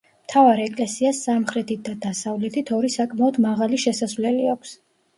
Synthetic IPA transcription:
mt̪ʰavaɾɛkʼlɛsiasːamχɾɛt̪ʰit̪̚d̪ad̪asavlɛt̪ʰit̪ʰɔɾisakʼmaɔd̪maʁaliʃɛsasvlɛliakʷʰs

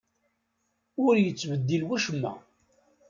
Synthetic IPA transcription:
ʊɾjət͡sːvəd̪ːilwæʃəmːæ̰

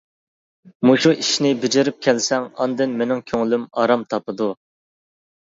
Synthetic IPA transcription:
muʃuʔiʃnɪbɪd͡ʒɪɾɪp̚kʲʰɛlsɛŋɑnd̪ɨnmenɪŋkʲʰøŋlymɑɾɑmt̪ʰɑpɨd̪u

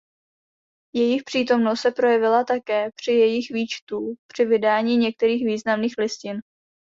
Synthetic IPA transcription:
jɛjɪxpr̝̥iːt̪o̞mnost̪sɛpɾo̞jɛvɪlat̪akɛːpr̝̥ɪjɛjɪxviːt͡ʃt̪upr̝̥ɪvɪdaːɲiːɲɛk̚t̪ɛɾiːxviːznamniːxlɪscɪn

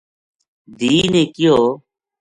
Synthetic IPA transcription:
d̪iːnẽːkɪjoː

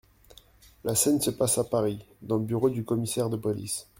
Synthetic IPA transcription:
lasɛnsəpasapaʁid̪ɑ̃ləbyʁod̪ykɔmisɛʁd̪əpɔlḭs

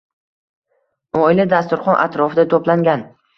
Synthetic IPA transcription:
ɒɪlad̪as̬t̪ʊɾχɒnʔa̰t̪ʰɾɒfɪd̪at̪ʰoplaŋɡʲan

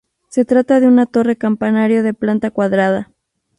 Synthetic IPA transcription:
se̞t̪ɾat̪aðeunat̪o̞re̞kampanaɾjoðe̞plant̪akwaðɾaða

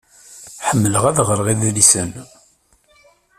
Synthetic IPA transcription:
ħəmːələʁæðʁəɾʁiðlisən

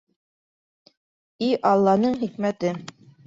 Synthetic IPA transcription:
iʔɑlˠːɑnɤɴχikmæt̪ɘ

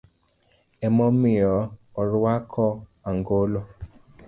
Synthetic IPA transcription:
ɛmɔmijɔɔɾuakʰɔaŋɡolo

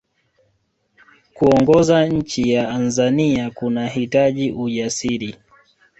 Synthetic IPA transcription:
kuɔŋɡɔzaɲ̩t͡ʃijaanzaniakunahitaʄiʔuʄasiɾi

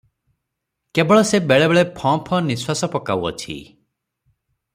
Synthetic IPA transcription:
kebɔɭɔsebeɭebeɭepʰɔ̃pʰɔ̃niswasɔpɔkawɔ̰t͡ʃʰḭ

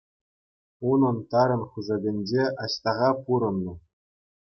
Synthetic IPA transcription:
unɤ̆nt̪ɑɾɤ̆nχuzɑdʲɘ̆nʲd͡ʑeʔɑɕt̪ɑʁɑpuɾɤ̆nːɤ̆

